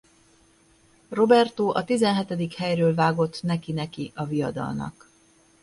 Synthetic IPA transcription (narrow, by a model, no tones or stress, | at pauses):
ro̞bɛrt̪oːʔɒt̪izɛnɦɛt̪ɛd̪ikhɛjrøːlvaːɡo̞t̪ːnɛkinɛkiʔɒvijɒd̪ɒ̰lnɒ̰k